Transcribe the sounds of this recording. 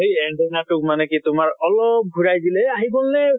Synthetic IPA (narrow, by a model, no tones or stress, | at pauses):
ɦejɛɳɖenaʈukmanekit̪ʊmaɾɔlɔp̚ɡʱuɾajd̪ileaɦibolne